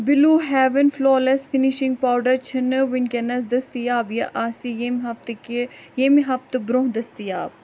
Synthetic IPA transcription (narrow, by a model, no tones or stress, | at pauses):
bɪluːɦɛːʋənfloːlesfiniʃĩŋɡ̚paːwɖɐɾt͡ʃʰɐnəʋɪnkenɐs̬d̪ɐst̪ijaːbjɐʔaːsijemɦɐft̪kjemiɦɐft̪bɾõːɦd̪ɐst̪ijaːb̚